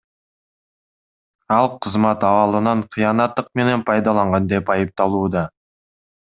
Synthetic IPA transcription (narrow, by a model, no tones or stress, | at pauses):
ɑlˠqʰəzmɑt̪ɑwɑlˠənɑɴqʰijɑnɑt̪ːəq̚me̞ne̞npʰɑjd̪ɑlˠɑɴʁɑnd̪e̞pɑjəp̚t̪ɑlˠud̪ɑ